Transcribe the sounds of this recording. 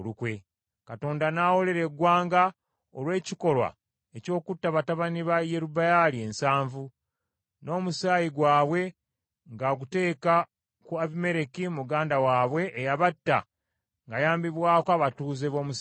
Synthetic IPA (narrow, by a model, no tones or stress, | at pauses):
olukwe | kato̞ːndanaːwo̞le̞ɾeɡwaːŋɡa | olwe̞ːciko̞lwa̰ | eco̞ːkutːaβataβaniβaje̞ɾubajalie̞nsaːɱvu | no̞ːmusaːjiɡwaːβwe̞ | ŋɡaɡute̞ːka | kuaβime̞ɾe̞kimuɡaːndawaːβwe̞ʔːjaβatːa̰ | ŋɡajaːmbiβwaːkoaβatuːze̞βo̞ːmus